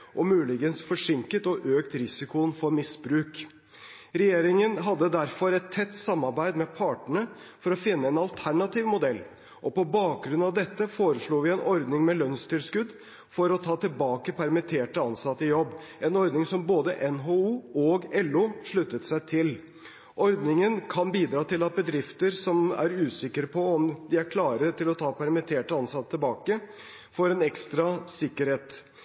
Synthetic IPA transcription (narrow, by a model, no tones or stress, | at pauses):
ʔɔmʉːlɪɡənsfɔʂɪŋkət̪ɔʔøːkt̪ɾɪsɪkʊnfɔɾmɪsbɾʉːk | ɾɛjeːɾɪŋənɦɑd̪ːəd̪æɾfɔɾɛt̪ʰːɛt̪ːsɑmːɑɾbæɪd̪mɛpʰɑːʈəɳə | fɔɾɔfɪnːəɛnɑlt̪ʰæɳɑt̪iːʋmʊd̪ɛlː | ʔɔpɔbɑːk̚ɡɾʉnɑʋd̪ɛt̪ːəfoːɾəʂɭuːʋɪɛnʔɔɾd̪nɪŋmɛlœnst̪ʰɪlskʉd̪ | fɔɾɔt̪ʰɑːt̪ɪlbɑːkəpʰæɾmɪt̪ʰeːʈəɑnsɑt̪ːəjɔbː | ʔɛnɔɾd̪nɪŋsɔmboːd̪əʔɛnɦouːɔɡɛlːʊʂɭʉt̪ːət̪sæɪt̪ʰɪl | ʔɔɾd̪nɪŋənkʰɑnbiːd̪ɾɑːt̪ɪlɑt̪̚bəd̪ɾɪft̪əɾsɔmæ̰ɾʉːsɪkːəɾəpʰɔɔmd̪ɪæɾkʰlɑːɾət̪ɪlɔt̪ʰɑːpʰæɾmɪt̪ʰeːʈəɑnsɑt̪ːət̪ʰːɪlbɑːkə | foːɾɛnɛkst̪ɾɑsɪkːəɾheːt̪